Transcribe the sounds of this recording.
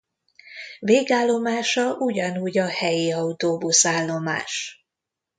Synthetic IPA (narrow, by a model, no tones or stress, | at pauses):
veːɡaːlːo̞maːʃɒʔuɟɒnuːɟɒhɛjiɒwut̪oːbusaːlːo̞ma̰ːʃ